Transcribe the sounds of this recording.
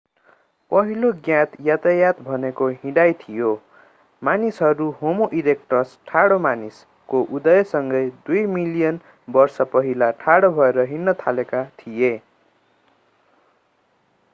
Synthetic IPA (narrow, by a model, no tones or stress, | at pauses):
pʌɦiloɡjãt̪jat̪ajat̪bʱʌnekoɦĩɽajt̪ʰijo | manisɦʌɾuɦomoʔiɾekʈrʌsʈʰaɽomanis | koʔud̪ʌjʌsʌŋɡʌjd̪ujmilijʌn | bʌrsʌpʌɦilaʈʰaɽobʱʌeɾʌɦinːʌt̪ʰalekat̪ʰije